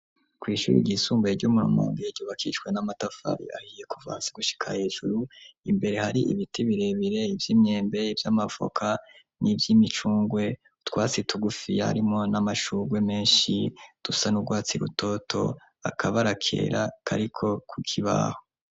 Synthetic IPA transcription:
kwiːʃṵːɾḭɟiːsuːmbajeɟomuɾṵmo̰ːŋɡieɾɟoːβakʰḭt͡ʃwe̞namatafa̰ɾḭahije̞kuva̰ːsiɡuʃi̥kʰahe̞ːʒuɾuimbe̞ɾe̞haɾiʔiβitʰiβiɾe̞βiɾe̞ivjiːmɲe̞ːmbe̞ivjamav̥o̰kʰa | nʔivjimit͡ʃuːŋɡwe̞ | utwaːt͡sitʰuɡufia̰ɾimŋo̞namaʃuːɡwe̞me̞ːnʃid̥usanuɡwaːt͡siɾṵto̞tʰo̞̰ | a̰kʰaβaɾakʰe̞̰ːɾakʰa̰ɾikʰo̞kʰukʰiβa̰ho

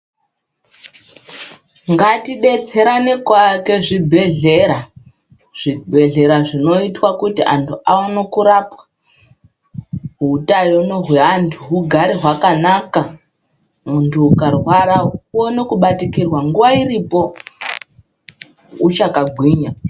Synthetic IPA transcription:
ŋɡatiɗe̞t͡se̞ɾane̞kwake̞ʐibʱe̞ɮe̞ɾa | ʐ̥ibʱe̞ɮe̞ɾaʐino̞itwakutiʔantʰuʔawano̞kuɾapḁ | ɦuutajonoɦwe̞antʰuɦuɡʱaɾiɦwakanaka | muntʰuːkarwaɾawono̞kuɓatikirwaŋɡuʋwairipo̞ | ut͡ʃakaɡʱwiːɲa

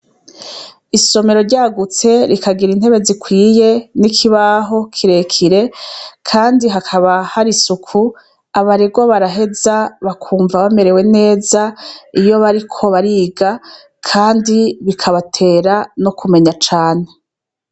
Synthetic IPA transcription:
iso̞me̞ɾo̞ɾɟaɡut͡se̞ɾikaɡiɾin̥he̞βe̞zikwiːje̞nikʰiβaɦo̞kʰiɾe̞kʰiɾe̞kʰaːndiɦakʰaβahaɾisukʰu | aβaɾeɡo̞βaɾaɦe̞zaβakʰuːɱvaβame̞ɾe̞we̞ne̞ːzaijo̞βaɾikʰo̞βaɾiɡa | kʰaːndiβikʰaβatʰe̞ːɾano̞kʰume̞ɲat͡ʃaːne̞

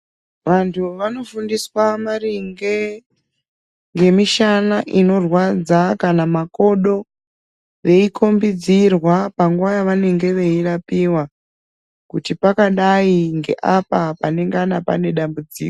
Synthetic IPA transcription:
ʋantʰuʋano̞fundiswamariŋɡe | ŋɡe̞miʃanaʔino̞rwad͡zakanamako̞ɗo̞ | ʋe̞ikʰo̞mbid͡zirwapaŋɡuwajaʋane̞ŋɡe̞ʋe̞irapiwa | kutipakaɗaiŋɡe̞̰ʔapapane̞ŋɡanapa̰ne̞ɗambud͡zḭːko

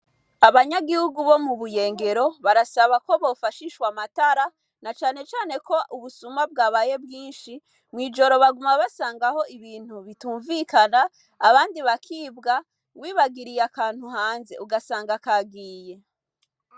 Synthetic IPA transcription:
aβaɲaɡihuɡuβo̞muβuje̞ːŋɡe̞ɾo̞βaɾasaβako̞βo̞ːfaʃiʃwamataɾa | nat͡ʃaːne̞t͡ʃaːne̞ko̞ʔuβusumab̚ɡaːβaje̞bɡiːnʃi | mwiːd͡ʒo̞ɾo̞βaɡumaβasaːŋɡaho̞iβiːn̥huβituːɱvikanaː | βaːndiβakʰiːbɡa | wiːβaɡiɾijakaːn̥huhaːnze̞̰ʔuɡasaːŋɡakaɡiːje̞

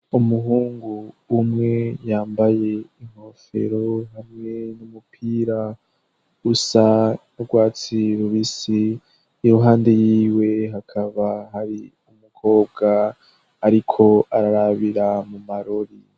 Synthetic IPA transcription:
umuɦuːŋɡuːmŋe̞jaːmbaje̞iŋ̥ho̞fe̞̰ɾo̞ɦamŋe̞numupʰiːɾa | usanuɡwaːt͡siɾuβisiː | ɾoɦaːnde̞jiiːwe̞ɦakʰaβaɦaɾi | umukʰo̞ːb̚ɡaː | ɾikʰo̞aɾaɾaβiɾamumaɾoɾi

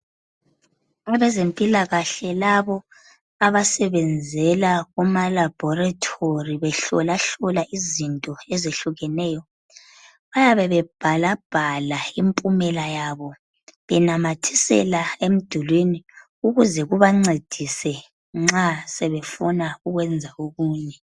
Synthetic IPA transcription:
aβɛzempʼilaɣaɬɛlaβɔ | aβasɛβɛnd͡zʱɛlaɣumalab̥ʱɔratʰoriβɛɬɔ̰laɬɔlaʔizintʼɔɛzeɬuɣɛnɛːjɔ | βajaβɛβɛb̥ʱalab̥ʱalaimpʼumɛlajaβɔ | βɛnamatʰisɛ̰laem̩d̥ʱulwini | uɣuzɛɣuβaŋ͡ǀed̥ʱisɛ | ŋ͡ǁasɛβɛfunauɣwɛnd͡zʱaoɣuːɲɛ

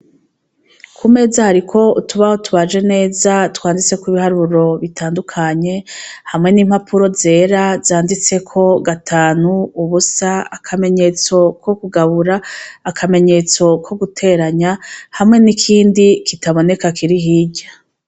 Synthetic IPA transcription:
kʰume̞ːzahaɾikʰo̞utuβahotuβaʒe̞ne̞ːzatwaːndit͡se̞kwiβihaɾuɾo̞βitʰaːndukʰaɲe̞hamŋe̞nimhapʰuɾo̞ze̞ːɾazaːndit͡se̞kʰo̞ɡatʰaːnuːβusaakʰame̞ɲe̞t͡so̞ko̞kuɡaβuɾaːkʰame̞ɲe̞t͡so̞kʰo̞ɡutʰe̞ːɾaɲahamŋe̞nikʰiːndikitaβo̞ne̞kakiɾiɦiːɟa

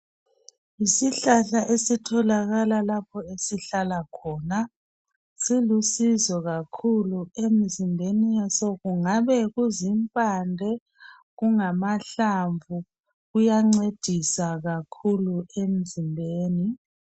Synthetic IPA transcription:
isiɬaɬaʔesitʰɔlaɣalalap̚ʰɔesiɬalakʰɔːna | silusizɔɣakʰuluem̩zimbʱenijasɔɣuŋaβɛɣuzimpʼandʱɛ | ɣuŋamaɬaɱvʱu | ɣujaŋ͡ǀed̥ʱisaɣakʰuluem̩zimbʱeːni

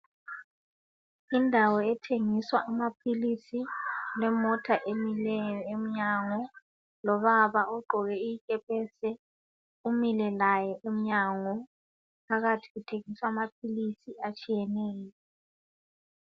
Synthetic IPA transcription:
indʱawɔɛtʰeŋiswaʔːmapʰilisilɛmɔtʰaʔemilɛjɔem̩ɲaŋɔ | lɔβaβaɔɡ͡ǃʱɔɣɛijikʼɛpʰʼɛsɛ | umilɛlajɔʔem̩ɲaŋɔ | pʰaɣatʰi̥ɣutʰeŋiswaːmap̚ʰilisiat͡ʃʼijɛnɛːjɔɔ

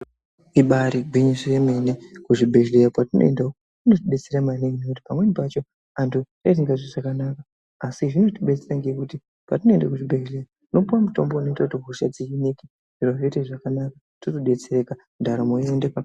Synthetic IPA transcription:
iɓaɾiɡʱwiɲiʂiremenekuʐibʱe̞ʒleropatino̰ḛndao | uno̞tiɓe̞t͡seɾamaneinokuti̥pamwe̞nipat͡ʃo̞ | antutat̬iŋɡaʐiʐakanakaː | siʐino̞tiɓe̞t͡seraŋɡe̞kuti | patino̞endakuʐibʱe̞lera | uno̞puwamuto̞̰mbono̞itakutiɦuʃad͡ziiniki | ʐ̥iɾoveteʐakanaka | totoɗe̞t͡seɾe̞ka | dʱaɾomoendepa

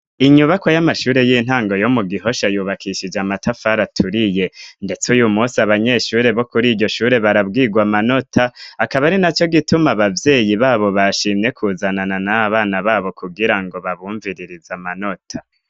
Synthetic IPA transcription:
iɲuβako̞jamaʃuːɾe̞jiːn̥haːŋɡo̞jo̞muɡiɦo̞ʃajuːβakʰiʃid͡ʒamatʰafaɾatʰuɾije̞nde̞t͡sujumusiaβaɲe̞ʃuːɾe̞βo̞kuɾiːɟo̞ʃuːɾe̞βaɾab̚ɡiːɡwamano̞tʰaːkaβaɾinat͡ʃo̞ɡitumaβavje̞ːjiβaːβo̞βaʃiːmɲe̞kʰuːzanananaβaːnaβaːβo̞kuɡiɾaŋɡo̞βaβuːɱviɾiɾizamano̞tʰa

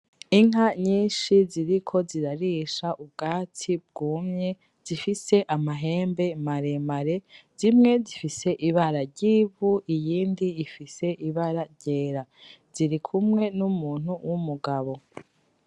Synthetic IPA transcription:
iŋɦaɲiːnʃiziɾikʰo̞ziɾaɾiːʃaʔub̚ɡaːtʰib̚ɡuːmɲe̞ | z̥ifise̞ʔamaɦe̞ːmbe̞maɾe̞maɾe̞z̥imŋe̞zifise̞ʔiβaɾaɾɟiːβuijiːndiːfise̞ʔiβaɾaɾɟe̞ːɾaz̥iɾikʰumŋe̞numuːn̥huwʔumuɡaβo̞

